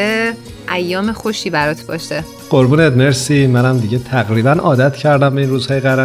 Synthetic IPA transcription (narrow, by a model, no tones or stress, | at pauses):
e | ʔæjːɒːmexoʃiːbæɾɒːt̪ʰbɒ̰ːʃe | ɢ̥oɾbuːneːd̪meɾsimænæmd̪iɟet̪ʰæɣɾiːbænɒ̰ːd̪æt̪ʰcʰæɾd̪æmbeinruːzhɒːjeɣæɾæ